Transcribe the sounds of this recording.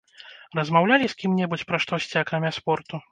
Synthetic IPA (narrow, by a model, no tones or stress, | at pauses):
rɐzmawlʲalʲisʲkʲimnʲɛbut͡sʲpɾɐʂt̪ɔsʲt͡sʲiakɾamʲaspɔrt̪u